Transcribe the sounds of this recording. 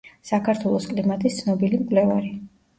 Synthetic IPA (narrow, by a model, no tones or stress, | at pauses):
sakʰaɾt̪ʰwɛlˠɔskʼlimat̪ʼist̪sʰnɔbilimkʼlɛvaɾi